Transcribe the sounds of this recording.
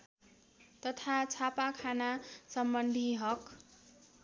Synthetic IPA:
t̪ʌt̪ʰat͡sʰapakʰanasʌmbʌnd̪ʱiɦʌk

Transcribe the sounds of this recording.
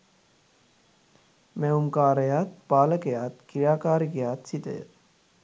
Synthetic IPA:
meumkaːɾəjaːt̪̚baːləkejaːt̪kiɾaːkaːɾikejaːt̪sit̪ə̰jə̰

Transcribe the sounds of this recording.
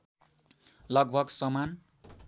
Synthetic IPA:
lʌɡbʱʌɡsʌman

